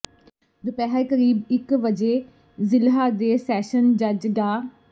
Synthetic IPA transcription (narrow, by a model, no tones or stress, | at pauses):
d̪ʊpɛːɦaekəɾiːbɪkʋəd͡ʒeː | zɪlɦaːd̪eːsɛːʃənd͡ʒəd͡ʒɡaː